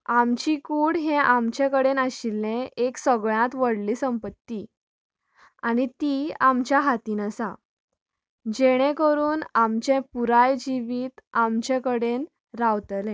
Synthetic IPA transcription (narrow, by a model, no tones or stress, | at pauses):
amt͡ɕikuːɽɦẽʔamt͡ɕekəɽenaɕilːẽeksəɡɭjãt̪ʋəɽliːsəmpət̪ːi | añit̪iamt͡ɕjaɦat̪iːnəsa | d͡ʑeɽ̃ẽkəɾuːnamt͡ɕẽpuɾajd͡ʑiʋiːt̪amt͡ɕekəɽen | ɾaʋt̪lẽ